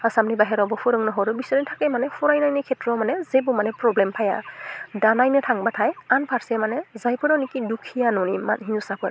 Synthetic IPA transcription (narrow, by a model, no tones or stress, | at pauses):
asamnibaɦɛɾɔbɔfʰuɾɯŋnɔɦɔɾɯbisɔɾintʰakɛmanɛfʰuɾajnajnɛkʰɛtɹɔmanɛzebumanɛpɹɔblɛmpʰaja̰danajnɛtʰaŋbatʰajanpʰaɹsɛmanɛzajpɯɾanikidukʰijanɔnima̰nɦinusapʰɔɾ